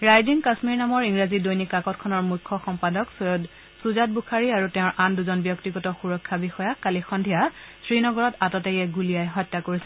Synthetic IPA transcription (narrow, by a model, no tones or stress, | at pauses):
ɹajziŋkasmiɹnamɔɹiŋɹazidojnikakɔt̚kʰɔnɔɹmujkʰːɔxɔmpadɔksd | suzat̚bukʰaɹiaɹuteʊ̃ɹʔanduzɔnbjɔktiɡɔtɔxuɹɔkʰːabixɔjakalixɔndʱijasɹinɔɡɔɹɔtatɔtɛɛɡulijajɦɔjtːakoɹisɛ